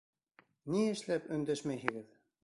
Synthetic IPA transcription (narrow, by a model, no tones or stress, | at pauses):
niɘ̆ʃlæpɵ̆nd̪æʃmæjɦɘ̆ɡɘð